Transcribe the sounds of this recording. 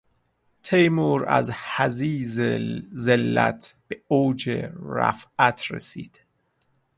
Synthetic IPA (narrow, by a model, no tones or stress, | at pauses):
t̪ʰejmuɾæ̰zhæziːzzelːæ̰t̪ʰb̥eoːd͡ʒḛɾæ̰fæt̪ʰɾḛsḭːd̪̥